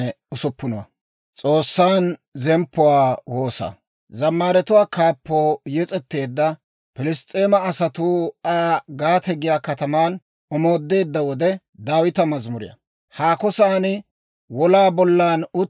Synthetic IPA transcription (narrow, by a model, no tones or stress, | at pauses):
ɛ | ʊsʊpːʊnʊwɐ̰ | t͡sʼo̞ːsːaːnzɛmpːʊwaːwo̞ːsɐ̰ | zɐmːaːɾɛt̪ʊwaːkaːpːoːjɛt͡sʼɛt̪ːe̞ːd̪ːɐ | pɪlɪst̪ʼeːmɐːsɐt̪ʊaːɡaːt̪ɛɡɪjaːkɐt̪ɐmaːn | ɔmo̞ːd̪ːe̞ːd̪ːɐwɔd̪ɛ | d̪aːwɪt̪ɐmɐzmʊɾɪ̰jɐ̰ | haːkɔsaːnɪ | wɔlaːbɔlːaːnʊ